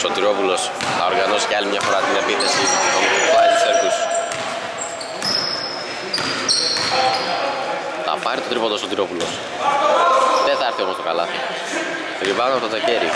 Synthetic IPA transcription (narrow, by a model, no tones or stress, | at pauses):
sot̪iɾo̞pulo̞sθɐoɾɣɐno̞si̥ceɐlimɲɐfo̞ɾɐt̪ine̞piθe̞siomt̪pɐɾit̪u̥seɾkus | θɐ̰pɐɾit̪o̞t̪ɾipod̪osot̪iɾo̞pulos | ðeθɐeɾθio̞most̪o̞kalɐθi | eɾivɐonɐpot̪ot̪eceɾi